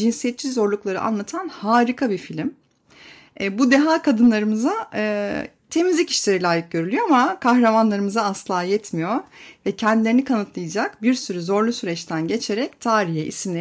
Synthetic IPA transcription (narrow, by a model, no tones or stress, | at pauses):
d͡ʒinsijɛt̪̚t͡ʃʰːizo̞ɾlˠuklˠaɾɯ̰ʔa̰nlˠat̪ʰanhaːɾikʰabifilʲim | ɛbud̪eɦaːkʰad̪ɯnlˠaɾɯmɯza | t̪ʰe̞mizlʲici̥ʃlʲe̞ɾilʲaːjɯk̚ɟø̞ɾylʲyjoamakʰaxɾamanlˠaɾɯmɯzaːslˠaːjɛt̪mijoɾvɛcʰɛnd̪ilʲeɾinikʰanɯt̪lˠɯjad͡ʒakbiɾsyɾyzo̞ɾlˠusyɾɛt͡ʃt̪ʰænɟe̞t͡ʃʰe̞ɾɛc̚t̪ʰaːɾiɦɛʔḭsimlʲe